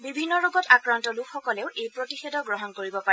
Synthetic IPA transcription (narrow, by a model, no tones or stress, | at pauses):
bibʱinːɔɹoɡɔtakɹantɔlukʰxɔkɔleʊʔejpɹotixedɔɡɹɔɦɔnkoɹibɔpaɛ